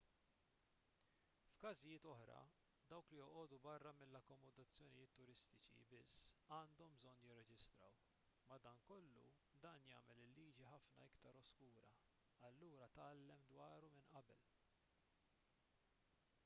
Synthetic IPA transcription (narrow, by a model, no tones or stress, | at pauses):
fkɐzɪjɪːt̪ɔħɾɐ̰ | d̪ɐwklijɔʔɔːd̪ubɐrːɐmɪlːɐkːɔmɔd̪ɐt͡sːjɔnɪjɪːt̪ːʊɾɪst̪ɪt͡ʃḭbɪsːɐːnd̪ɔmbzɔnːjɪrːɛd͡ʒɪst̪ɾɐ̰w | mɐd̪ɐːŋkɔlːṵ | d̪ɐːnjɐ̰ːmɛlɪlːiːd͡ʒiħɐfnɐ̰ɪkt̪ɐɾɔskuːɾɐ | ɐlːuːɾɐt̪ɐːlːɛmd̪wɐːɾumɪnʔɐbɛl